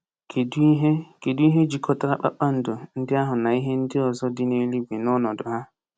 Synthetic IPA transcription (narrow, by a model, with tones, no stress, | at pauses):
kʰe˨du˦ɦe˦ke˨du˦i˦ɦe˦d͡ʒi˨kʰɔ˨ta˦a˦k͡pa̰˦k͡pa˦n̩˨do˨n̩˦dɪ˦a˦ɦʊ˨na˨i˦ɦe˦n̩˦dɪ˦ɔ˨zɔ˦dɪ˦ne˨li˦ɡe˨nɔ˦nɔ˨dʊ˨ɦa˦